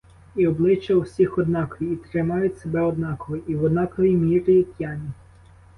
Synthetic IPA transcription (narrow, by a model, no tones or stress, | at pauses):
iɔblˠɪt͡ʃːɐwsʲixɔd̪nɑkɔjiːt̪ɾɪmɑjʊtʲsebɛɔd̪nɑkɔɦɔʔiwɔd̪nɑkɔʋʲimʲiɾɪjit̪ʲjɑnʲi